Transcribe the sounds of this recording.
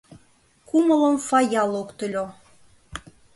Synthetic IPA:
kumələ̆mfɑjɑlˠokt̪ə̆lʲo

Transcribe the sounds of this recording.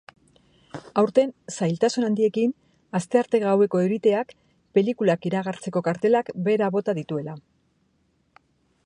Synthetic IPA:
awɾt̪e̞nsajlt̪asunand̪ie̞kin | ast̪e̞aɾt̪e̞ɣawe̞ko̞e̞ɣit̪e̞ak | pe̞likulakiɾaɣ̞aɾt͡se̞ko̞kaɾt̪e̞lakbe̞ɾaβo̞t̪aðit̪ue̞la

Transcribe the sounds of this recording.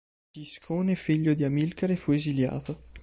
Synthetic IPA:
t̪iskʰoːneːfiʎːod̪iamilkeɾefuezilja̰ːt̪o

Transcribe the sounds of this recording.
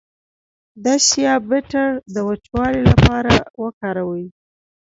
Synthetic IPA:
d̪asjɑbɪʈaɾd̪əwat͡ʃwɑlilapɑɾawəkɑɾawəj

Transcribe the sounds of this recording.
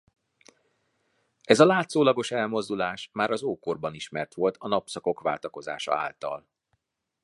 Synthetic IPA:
ʔɛzɒlaːt̪soːlɒɡo̞ʃɛlmo̞zd̪ulaːʃmaːɾɒzoːkorbɒniʃmɛrt̪ʋo̞lt̪ɒnɒpsɒko̞kʋa̰ːlt̪ɒko̞za̰ːʃɒ̰a̰ːlt̪ɒ̰l

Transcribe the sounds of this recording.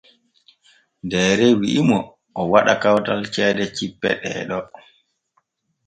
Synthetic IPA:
dɛːɾɛwiʔimɔ | ʔɔwaɗakawtalt͡ʃɛːdɛt͡ʃipːɛ̰ɗɛ̰ːɗɔ

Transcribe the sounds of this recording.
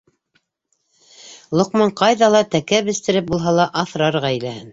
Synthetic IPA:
lˠŏqmɑɴqɑjðɑlˠɑt̪ækæβɘ̆st̪ɘ̆ɾɘp̚bulˠɦɑlˠɑʔɑθɾɑɾʁɑĕjlæhɘn

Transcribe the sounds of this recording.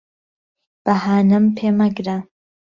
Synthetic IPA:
b̥ɐhaːnɨmpʰeːmɐɡɾa

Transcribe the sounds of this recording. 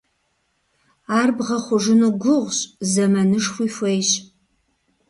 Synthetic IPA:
aːrbʁɐχʷʊʒɪnuɡʷʊʁʷɕʼzɐmɐnɨʂxʷiːfʷejɕ

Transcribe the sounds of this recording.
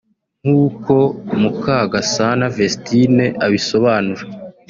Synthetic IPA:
ŋ̥huːko̞mukaɡasanavestine̞ʔaβiso̞βaːnuɾa

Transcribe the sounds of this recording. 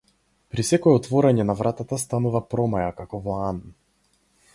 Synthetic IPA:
pɾisɛkɔɛɔt̪vɔɾaɲɛnavɾat̪at̪ast̪anuvapɾɔmajakakɔvɔan

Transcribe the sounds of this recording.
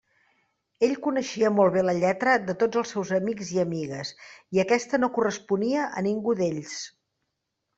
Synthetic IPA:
eʎkunəʃiəmolˠβeləʎɛt̪ɾəd̪ət̪od͡zəlˠsɛwzəmikziəmiɣəsiəkɛst̪ənokurəspuniəʔə̰niŋɡuðeʎs

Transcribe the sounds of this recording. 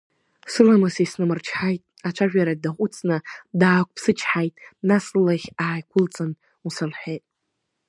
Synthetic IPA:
sɨlamɨsisnɨmɨrt͡ʃʰħajtʼat͡ʃʷʰaʒᶣaɾadaχʷʼʊt͡sʰʼnɨdaːkʷʼpʰsɨt͡ʃʰħajtʼnaslɨlaχʲaːjkʷʰʊlt͡sʼɨn | usalħejtʼ

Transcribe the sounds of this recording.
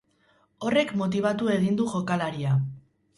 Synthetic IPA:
o̞re̞kmo̞t̪̬iβ̞at̪ue̞ɣ̞ind̪uʝo̞kalaɾia

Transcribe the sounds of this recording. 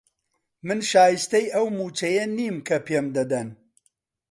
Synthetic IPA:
mɨnʃaːjist̪ɐjʔɐwmuːt͡ʃɐjɐniːmkʰɐpʰemd̪ɐd̪ɐn

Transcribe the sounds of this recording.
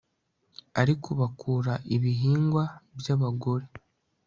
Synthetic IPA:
aɾikuβakʰuːɾaʔiβiɦiːŋɡwabjaβaɡo̞ɾe̞

